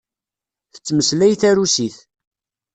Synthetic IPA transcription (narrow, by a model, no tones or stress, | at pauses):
θə̥t͡sːməslæjθæɾusiθ